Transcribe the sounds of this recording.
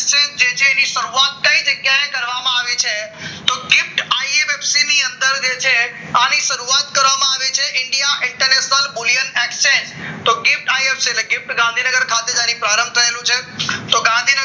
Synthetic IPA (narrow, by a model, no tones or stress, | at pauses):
t͡ʃẽsd͡ʒet͡ʃʰeːniʃəɾuat̪̚kə̃ĩd͡ʒəɡjaẽkəɾʋamãaʋet͡ʃʰet̪oɡɪfʈaiemefsiniə̃nd̪əɾd͡ʒet͡ʃʰe | aniʃəɾuat̪̚kəɾʋamãaʋet͡ʃʰeʔɪɳɖijaʔɪ̃ɳʈəɾneʃnəlbʊlijənekst͡ʃẽd͡ʒt̪oɡɪfʈaiefsileɡɪfʈɡãnd̪ʱinəɡəɾkʰat̪ed͡ʒãnĩpɾaɾəmbt̪ʰəelũt͡ʃʰet̪oɡãnd̪ʱinə